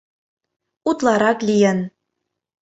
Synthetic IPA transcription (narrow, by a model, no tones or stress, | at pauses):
ut̪lˠɑɾɑklʲijə̆n